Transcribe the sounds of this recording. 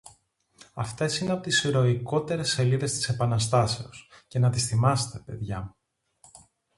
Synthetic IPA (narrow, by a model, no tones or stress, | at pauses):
ɐft̪e̞sineɐpo̞t̪isiɾo̞iko̞t̪e̞ɾe̞sːe̞liðe̞st̪i̥se̞pɐnɐst̪ɐse̞osce̞nɐt̪isθimɐse̥t̪e̞pe̞ðʝɐmu